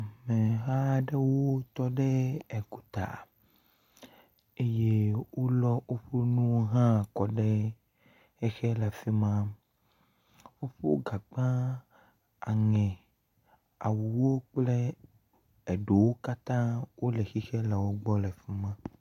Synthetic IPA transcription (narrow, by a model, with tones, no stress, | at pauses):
mɛ̃˨ɦa˦ɖɛ˦wo˦t̪ɔ˦ɖɛ˦ɛ˨ku˨t̪a̰˨ | e˦je˦wo˦lɔ˦o˦ɸo˦nũ˦wo˦ɦã˦˨kɔ˨ɖɛ˦ | xɛ˦xɛ˦lɛ˨fi˦mã˦ | wo˦ɸo˦ɡa˨ɡ͡bã˦ | a˨ŋɛ̃˨ | a˨wu˨wo˦k͡plɛ˦ | ɛ˨ɖo˨wo˦ka˦t̪ã˦wo˦lɛ˨xi˦xɛ˦lɛ˨wo˦ɡ͡bɔ˦lɛ˨fi˦mã˦